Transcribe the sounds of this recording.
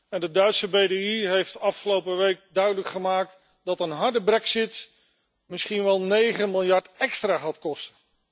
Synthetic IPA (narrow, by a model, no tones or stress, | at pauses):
ɛndədœɥtsəbejdeiɦejftɑfχəlowpəʋejk̚dœɥdələkχəmaːk̚t | dɑtənɦɑɹdəbrɛksɪt | mɪsχinʋɛlˠnejχənmɪlˠjɑɹtɛkstraːɦɑtkɔstən